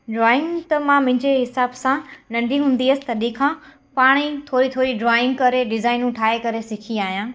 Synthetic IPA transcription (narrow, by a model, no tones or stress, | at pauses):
ɖɾaːɪ̃ŋɡt̪ɐmãmʊ̃ɦɪ̃ɲd͡ʑeɦɪsaːbsãnɐ̃ɳɖʱiɦũːn̆d̪iɐsɪ̥t̪ɐɗĩkʰãː | paːɽ̃it̪ʰoːɾit̪ʰoːɾiɖɾaːɪ̃ŋɡkɐɾeɖɪzaːɪnũʈʰaːekɐɾesɪkʰiaːɦijãː